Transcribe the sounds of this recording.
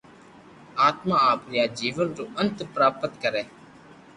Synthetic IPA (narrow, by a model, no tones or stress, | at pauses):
aːt̪maːaːpɾɪjaːd͡ʒiːʋənɾoːʔənt̪pɾaːpət̪kəɾɛː